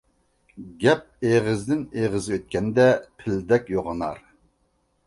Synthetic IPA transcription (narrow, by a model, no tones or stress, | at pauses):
ɡʲɛp̚eʁɪzd̪ɪneʁɨzɨøt̪̚kʲɛnd̪ɛpʰɪld̪ɛkʲjoʁənɑɾ